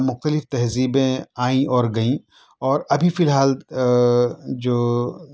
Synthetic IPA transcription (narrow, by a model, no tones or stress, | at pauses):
mʊxt̪əlɪft̪ɐɦziːbẽaːĩʔɔːɾɡɐĩ | ɔːɾɐbʱifɪlɦaːl | d͡ʒoː